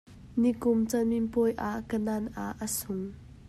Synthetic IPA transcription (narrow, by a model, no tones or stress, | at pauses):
nikʊmt͡sɐminpɔjʔaʔkənanʔaʔːəsʊŋ